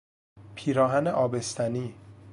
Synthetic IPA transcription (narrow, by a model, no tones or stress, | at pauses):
pʰiːɾɒːɦæneʔɒːbe̞st̪ʰæniː